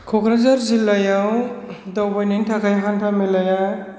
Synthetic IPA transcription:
kʰokʰɾazaɾzilːajawd̪ʌwbajnintʰakʰajɦantʰamilaja

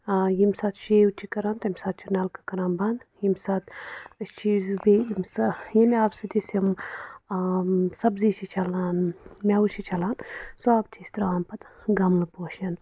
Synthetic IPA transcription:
jimsaːt̪ʃeːwut͡ʃʰikɐɾaːnt̪ɐmʲsaːt̪̚t͡ʃʰunalkɐ̥kɐɾaːnbɐnd̪jimsaːt̪t͡ʃʰizbeimsjimʲaːbsɐd̪isɐm | sɐbzit͡ʃʰit͡ʃʰɐlaːnmʲawut͡ʃʰit͡ʃʰɐlaːnsaːb̚t͡ʃʰist̪ɾaːmpɐt̪ɡɐmlɨpoːʃɐn

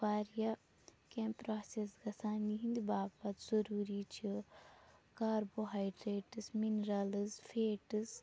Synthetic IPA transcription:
baːɾjɐ | kempɾaːsesɡɐsaːniɦind̪ibaːpɐt̪z̥ɐɾuːɾit͡ʃʰi | kaːɾboɦajɖɾeːʈɨsminɾɐlɨzfʰeːʈɨz

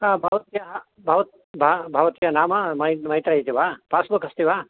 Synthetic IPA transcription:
ãːbʱɐʋɐt̪ijɐɦ | bʱɐʋɐt̪ | bʱabʱɐʋt̪ijɐnaːmɐmɐmɐɦit̪ɾɐɦit̪iʋaːpaːsbɐkɐst̪iʋaː

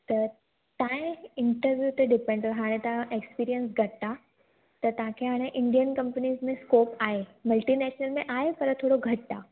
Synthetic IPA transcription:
t̪ɐ | t̪ãːẽɪ̃ɳʈəɾʋjut̪eɖɪpẽɳɖt̪ɐɦaːɽ̃ẽt̪ɐʋãʔekspiːɾijənsɡʱɐʈt̪a | t̪ɐt̪ɐɦãkʰeɦaːɽ̃eʔɪ̃ɳɖijənkɐ̃mpəniːzmẽskoːpaːɦemɐlʈinɛːʃnəlmẽʔaːɦepɐɾt̪ʰoːɽoɡʱɐʈt̪aː

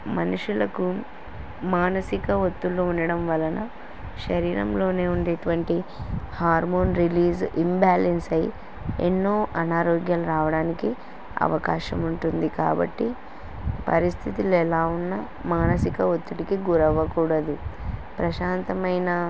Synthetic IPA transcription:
mɐnuʂulɐku | maːnɐsikɐɦot̪ːulːuunːɐɽɐmʋɐlɐnɐ | ʃɐɾiːɾɐ̰mlo̞ːne̞ːuɳɖeːʈuʋɐɳʈihaːɾmo̞ːnɾiliːzimbaːlensɐj | ḛnːo̞ːʔɐnaːɾoːɡjaːluɾaːʋɐɽaːniki | ɐ̰ʋɐkaːʃɐmuɳʈund̪ika̰ːbɐ̰ʈːi | pɐ̰ɾist̪ʰit̪ilɛlaːunːɐ | maːnɐsikɐot̪ːuʈikiɡuɾɐʋɐkuːɽɐd̪upɾɐʃaːnt̪ɐmɐjnɐ

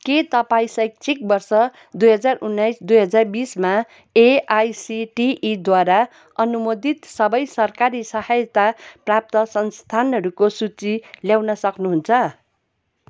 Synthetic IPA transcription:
ket̪ʌpaĩsʌjk̚t͡sʰik̚bʌrsʌ | d̪ujɦʌd͡zarunːajsd̪ujɦʌd͡zarbisma | eajsiʈiʔːd̪waɾa | ʌnumod̪it̪sʌbʌjsʌrkaɾisʌhajt̪aprap̚t̪ʌsʌnst̪ʰanɦʌɾukosut͡siljawnʌsʌknuɦunt͡sʰʌ

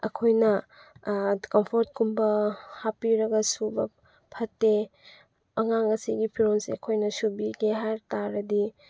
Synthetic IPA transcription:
ɐ̰kʰojnɐ | kɐmpʰoɾt̚kumbɐhapiɾɐɡɐsubɐ | pʰɐtːe | ɐŋaŋɐsiɡipʰiɾonsḛɐkʰojnɐsubiɡeɦajɾtaɾɐdi

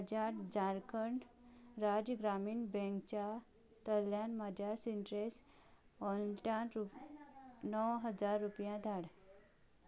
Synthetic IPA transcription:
əd͡ʑaʈd͡zãɾkəɳɾad͡ʑəɡɾamiːɳbɛ̃ŋkt͡ɕa | t̪əljanmad͡ʑʱjasiɳʈɾes | ɔlʈaɾu | nəwɦəd͡zaɾːupjãd̪ʱaɽ

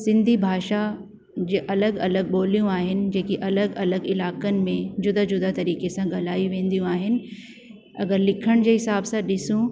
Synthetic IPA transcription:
sɪ̃nd̪ʱibʱaːʃa | d͡ʑeːʔɐləɡɐləɡ̚ɓoːlijũaːɦɪnɪ̆d͡ʑeːkiʔɐləɡɐləɡɪlaːkənɪ̆mẽd͡ʑʊd̪ad͡ʑʊd̪at̪ɐɾiːkesãɠɐlaːiʋẽːn̆d̪ijũaːɦɪnɪ̆ | ɐ̰ɡəɾlɪkʰəɽ̃d͡ʑeːɦɪsaːbsãɗɪsũ

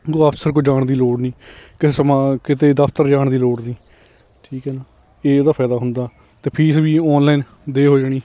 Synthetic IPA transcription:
ɡoːaːpsəɾk̬oːd͡ʒaːɳd̪iːloːɽnĩːkɪeːsəmãːkɪt̪eːd̪əpʰt̪əɾd͡ʒaːɳd̪iːloːɽnĩː | ʈʰiːkɦɛːnaː | eːoːd̪aːpʰɛːd̪aːɦʊnd̪aː | t̪eːpʰiːsbiːɔːnlaːin | d̪eːɦoːd͡ʒaːɽ̃iː

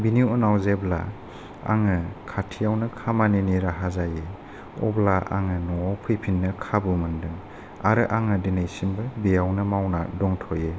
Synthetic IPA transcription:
biniuɔnawzebla̰ | a̰ŋɯkʰatʰijawnɯkʰamaneniɾaɦazaje | ɔ̰blaʔa̰ŋɯnɔwawpʰɯjpʰinːɯkʰabɯmɯndɯŋ | aɾɯʔaŋɯdinajsimbɯbejawnɯmawnadɔŋtʰɔje

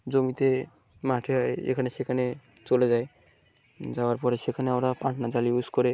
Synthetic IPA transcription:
d͡zomit̪e | maʈʰeɦɔeḛkʰaneʃekʰane | t͡ʃolezaj | d͡ʒaoaɾpɔɾeʃekʰaneamɾapãʈʰnad͡zaliuskɔɾe

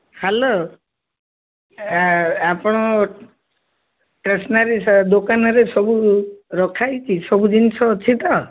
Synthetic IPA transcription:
halo | apɽ̃ɔ | ʈɾesnaɾisd̪okanɔɾesɔbuɾɔkʰajt͡ʃʰisɔbud͡ʒinsʰɔt͡ʃʰit̪ɔ

